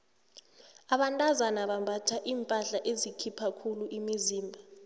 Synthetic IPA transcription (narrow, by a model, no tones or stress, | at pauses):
aɓantʼazanaɓambʱatʰaʔiːmpʼaɬaʔezikʰipʰakʰuluʔimiziːmbʱa